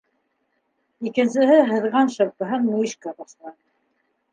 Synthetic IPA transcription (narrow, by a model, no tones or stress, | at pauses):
ikɘ̆nsɘ̆ɦɘɦɤ̆ðʁɑnʃɤ̆ɾpɤ̆ɦɤnmuiʃkɑbɑslˠɑnɤ